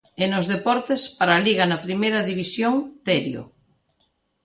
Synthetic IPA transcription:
enozðepɔɾt̪espaɾaliɣɐnɐpɾimejɾɐðiβisjoŋt̪ɛɾjo̰

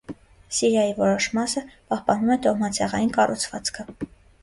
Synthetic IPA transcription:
siɾjɑjivɔɾɔʃmɑsəpɑhpɑnumɛt̪ɔʁmɑt͡sʰɛʁɑjinkɑrʔṵt͡sʰvɑ̰t͡skʰə

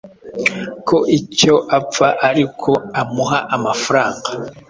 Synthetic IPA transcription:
kʰo̞ʔico̞ʔafaʔaɾikʰo̞amuɦaʔamafaɾaːŋɡa

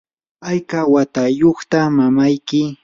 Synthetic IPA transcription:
ajkawat̪ajoχt̪amamajkɪ

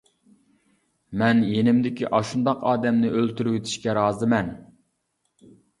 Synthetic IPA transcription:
mɛnjenɪmd̪ɪkʲʰiʔɑʃund̪ɑqʰɑːd̪ɛmnɪʔølt̪ʰyɾyɡʲit̪ʰi̥ʃkʲɛɾɑːzɨmɛn

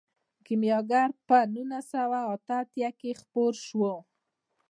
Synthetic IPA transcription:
kɪmjɑɡaɾpənunasawaat̪aːt̪jakexpoɾʃwo

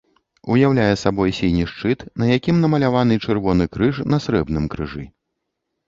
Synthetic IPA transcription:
ujawlʲajɛsabɔjsʲilʲnʲiʂt͡ʂɨt̪nɐjakʲimnɐmɐlʲavanɨt͡ʂɨrvɔnɨkɾɨʂnɐsɾɛbnɨmkɾɨʐɨ̰

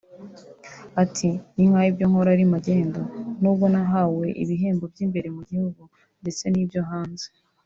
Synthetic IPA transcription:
atʰiniŋ̥haːjibjoŋ̥ho̞ɾaɾimaɟe̞ːndo̞nuːb̚ɡo̞naɦaːwe̞ʔḭβiɦe̞ːmbo̞bjimbe̞ɾe̞muɟihuɡu | nde̞t͡se̞niːbɟo̞ɦaːnze

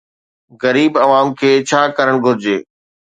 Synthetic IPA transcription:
ɣɐɾiːbɐʋaːmkʰeːt͡ɕʰaːkɐɾəɽ̃ɡʱʊɾɪd͡ʑeː

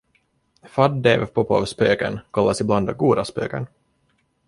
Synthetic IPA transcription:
fad̪ːeːvpʰɔpɑ̰vspøːkə̰nkʰalːasɪbland̪ɡuːd̪aspø̰ːkə̰n

